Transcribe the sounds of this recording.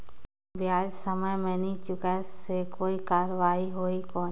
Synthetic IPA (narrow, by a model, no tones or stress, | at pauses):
bjaːd͡ʒsəməjmɛ̃ːnit͡ʃʊkɛsekoːikaːɾʋaːiɦoːikɔː